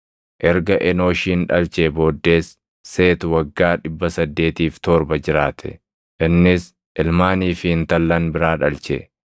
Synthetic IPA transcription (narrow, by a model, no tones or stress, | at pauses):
ʔɛɾɡɐʔɛno̞ːʃiːnᶑɐlt͡ʃebo̞ːd̪ːe̞ːsː | e̞ːt̪ʊwɐɡːaːᶑɪbːɐsɐd̪ːe̞ːt̪iːft̪ɔɾbɐd͡ʒɪɾaːt̪ʰɛ̥̰ | ʔɪnːɪs | ʔɪlmaːniːfɪɪnt̪ɐlːɐnbɪɾaːᶑɐlt͡ʃɛ̰